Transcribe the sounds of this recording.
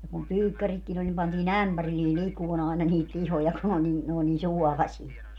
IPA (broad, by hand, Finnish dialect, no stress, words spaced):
jɑ kum pyːkːæritkin olʲ nim pɑntiːn æmpærilːiː likuon ɑˑenɑ niːt lihojɑ ku n o niː n oː niː suɔlɑsie